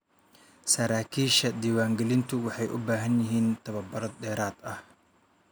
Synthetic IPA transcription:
sɐɾaːkʰiːʃɐd̪iːwaːŋɡɛlɪnt̪ʰʊwɑħɑjʔʊbaːɦɐnjɪɦiːnt̪ʰɐβɐbɐɾɔd̪̚dɛːɾaːd̪ɐh

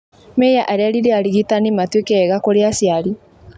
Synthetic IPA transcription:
mɛjaʔaɾeaɾiɾeaɾiɣitanimatwekɛːɣakoɾeasjaɾi

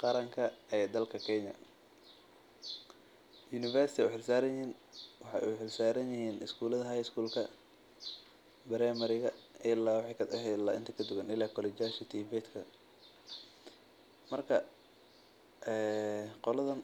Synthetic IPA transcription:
qɑɾɐŋkʰɐɛːd̪ɐlkʰɐkʰɛɲɐ̰ | junɪfɛrst̪ʰɪɛħɪlsaːɾɐjhiːnwɑħɑ̰ʔɛ̰ħɪlsaːɾɐnjɪhiːnʔɪ̰skʰuːlɐðɐɦɐːjɪskʰuːlkʰɐ | bɐɾɛːmɐɾɪɣɐɪlaːwɑħɑjkɐɦɛla̰ːʔɪ̰nt̪ʰɐkʰɐd̪ʊɣɐnɪlaːkʰɔlɛt͡ʃjaːʃɪt̪ʰiːbɛːt̪kʰɐ | mɐrkʰɐ | ɛːqɔlɐðɐn

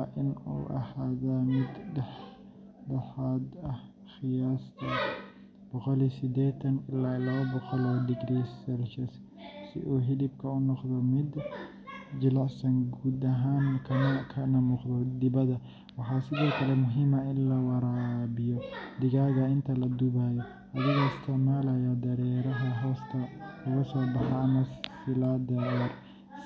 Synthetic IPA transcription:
ʔɪnṵːʔɐ̰haːðamɪd̪dħ | dɐħaːd̪ɐh | xɪjaːst̪ʰɐ | b̥ɔqɔlisɪd̪ɛːt̪ʰɐnɪlaːɪlɐβɐbɔqɔlɔːdɪɡɾiːsɛlʃɐs | sɪ̰ʔuːɦɪlɪbkʰɐʊnɔqd̪ɔmɪd̪ | d͡ʒɪlɑʕsɐŋɡuːd̪ɐɦaːŋkʰɐnkʰɐnɐmuːqd̪ɔd̪ɪβɐðɐ | wɑħɑːsɪðɔːkʰɐlɛmʊɦiːmɐɪnlɐwɑɾaːbɪjɔd̪ɪɣaːɣɐɪnt̪ʰɐlɐd̪ʊβaːjɔ | ɐðɪɣɔɪst̪ʰɪʕmaːlɐjɔd̪ɐɾɛːɾɐɦɐɦɔːst̪ʰɐlɐɣɐsɔːbɑħɑɐmɐsɪlaːd̪ɐɾɛr

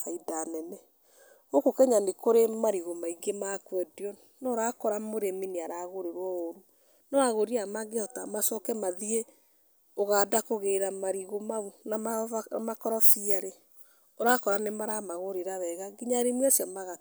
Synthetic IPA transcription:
aidanɛnɛ | ɣokokɛɲanekoɾemaɾiɣomaiɡemakwɛdjɔ | nɔɾakɔɾamoɾemineaɾaɣoɾeɾwɔoɾu | nɔaɣoɾiamaɡeɔtamasɔkɛmaðie | oɣaːdakoɣeɾamaɾiɣomaunaamakɔɾɔfiaɾe | oɾakɔɾanemaɾamaɣoɾeɾaβɛɣaɡiɲaɾemiasjamaɣa

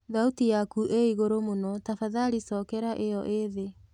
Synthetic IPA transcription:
ðautijakuʔeiɣoɾomonɔtafaðaɾisɔːkɛɾaʔejɔʔeðe

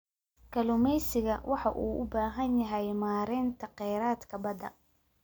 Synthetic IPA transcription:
kʰɐlʊmɛjsɪɣɐwʔɑħɑʔuːʔʊbaːɦɐnjɐɦɛjmaːɾɛːnt̪ʰɐqɛjɾaːd̪kʰɐbɐd̪ɐ̰

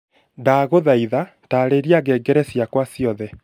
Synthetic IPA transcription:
daːɣoðaiða | taːɾeɾiaɡɛːɡɛɾɛsjakwasiɔðɛ

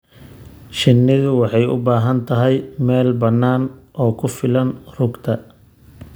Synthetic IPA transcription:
ʃɪnːɪðʊwɑħɑjʊ̰baːɦɐnt̪ʰɐɦɛjmɛːlbɐnːaːnʔɔːkʰʊfɪlɐnrʊɡt̪ʰɐ

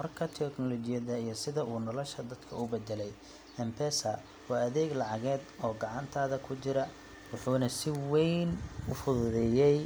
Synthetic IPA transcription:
mɐrkʰɐt̪ʰɛknɔlɔt͡ʃɪjɐðɐijɞsɪðɐʔuːnɔlɔʃɐd̪ɐd̪kʰɐʊbɛd̪ɛlɛj | ɛmpʰɛsɐ | wɑːɐðɛːɡlɑʕɑɣɛːd̪ɔːɡɑʕɑnt̪ʰaːðɐkʰʊt͡ʃɪɾɐ | wʊħuːnɐsɪwɛjnʊfʊðʊðɛjɛj

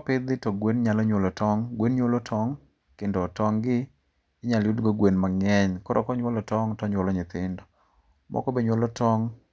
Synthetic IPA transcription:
pɪd̪ɪtɔɡwenɲalɔɲwolɔtʰɔŋɡwenɲwolɔtʰɔŋ | kendɔtɔŋɡɪː | ɲaljudɡoɡwenmaŋɛɲkɔɾɔ̰kɔɲwɔlɔtɔŋtɔɲwolɔɲɪt̪ɪndɔ | mʔɔ̰kɔbeɲwolɔtɔŋ

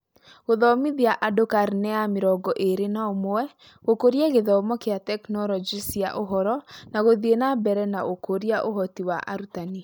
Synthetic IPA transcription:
ɣoðɔmiðiaʔadokaɾinɛameɾɔɡɔʔeɾenaomoɛ | ɣokoɾjɛɣeðɔmɔkeatɛknɔɾɔd͡ʒisja̰ʔoɦɔɾɔnaɣoðienabɛɾɛnaʔokoɾiaʔoɦɔtiwaʔa̰ɾutani

